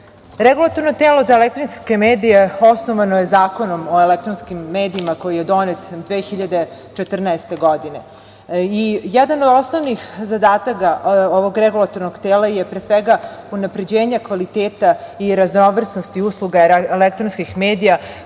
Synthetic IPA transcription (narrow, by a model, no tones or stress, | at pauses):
ɾeɡulat̪oɾno̞t̪eːlo̞zaelek̚t̪ɾinske̞meːd̪ije̞o̞sno̞ʋanojezaːko̞no̞mo̞elek̚t̪ɾonskimːeːd̪iimako̞jijed̪o̞net̪d̪ʋeːxiʎad̪e̞ | t͡ʃet̪r̩naest̪e̞ɡod̪ine̞ | ijɛd̪anod̪o̞snoʋnixzad̪aːt̪akaoʋo̞ɡɾeɡulˠat̪o̞ɾnoɡt̪eːlajepɾeːsʋeɡaunapɾe̞d͡ʑeːɲakʋalit̪eːt̪aiɾaznoʋr̩snost̪iuslˠuɡalek̚t̪ɾonskixmeːd̪ija